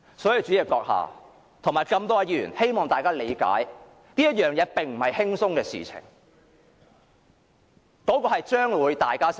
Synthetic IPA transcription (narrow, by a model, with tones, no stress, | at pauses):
sɔː˨˥ji˧t͡ʃy˨˥ɛː˨˧˩kɔː˧k̚ha̰ː˨˩ | t̪ʰʊ˨˩ŋmaː˨˩jkɐ˧mt̪ɔː˥a˧ji˧˩ɥy̰ː˨˩he˥jmɔː˨˩ŋt̪aː˨jkaː˥le˨˧jka̰ː˨˥j | niː˥jɐ˥t̚jœː˨ŋjɛː˨˧pɪ˨ŋm̩˨˩hɐ˨jhɪ˥ŋsʊ˥ŋkɛː˧sḭː˨t͡sʰɪ̰˨˩ŋ | kɔː˨˥kɔː˧hɐ˨jt͡ʃœː˥ŋwuː˨˧jt̪aː˨jkaː˥